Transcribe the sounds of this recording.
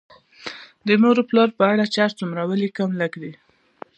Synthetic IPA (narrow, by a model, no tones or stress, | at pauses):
d̪ənoɾoplɑɾpəaɽat͡ʃɑɾt͡sumɾawəlikamləkd̪i